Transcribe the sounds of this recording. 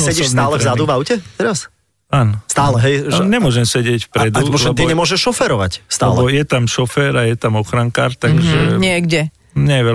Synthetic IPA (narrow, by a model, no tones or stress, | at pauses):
sɛsiɔʃbsnaːlɛzad̪uvaʊcɛt̪ɛɾas | aːnɔst̪aːlɛɦɛjɲɛmʊɔʒɛmsɛɟɪɛcfpɾɛd̪uɔlɛbt̪iɲɛmʊɔʒɛʃːɔfɛɾɔʋa̰cst̪aɛːlbɛɔjɛt̪amʃɔfɛɾajɛt̪amɔxɾaŋkaːɾt̪aɡʒɛɲɪɛɡɟɛ | ɲɛjɛʋɛ